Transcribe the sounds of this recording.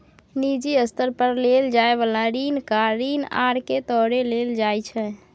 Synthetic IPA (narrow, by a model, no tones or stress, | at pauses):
nid͡ʒiəst̪əɾpəɾleld͡ʒaebəlaɾinkaɾiːna̰ɾket̪ɔɾeleld͡ʒajt͡ʃʰɛ